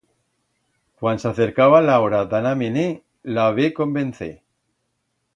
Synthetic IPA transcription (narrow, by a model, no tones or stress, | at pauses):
kwansaθeɾkaβalaoɾad̪anamene | laβeko̞mbẽn̟θḛ